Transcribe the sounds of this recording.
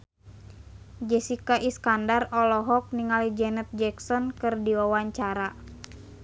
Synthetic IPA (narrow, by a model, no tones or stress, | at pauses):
d͡ʒɛsikaʔiskandarɔlɔɦɔk̚niŋalid͡ʒɛnɛt̪̚d͡ʒɛksɔnkɨrdiwawaɲt͡ʃaɾa